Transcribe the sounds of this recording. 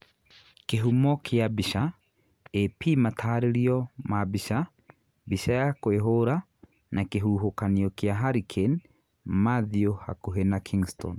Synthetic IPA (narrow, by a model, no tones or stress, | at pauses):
keɦumɔkʰeabiʃa | epimatʰaːɾeɾiɔmabiʃa | biʃajakweɦoɾa | nakeɦuɦokaniɔkeaɦaɾikʰen | maðioha̰koɦenakʰiŋstɔ̰n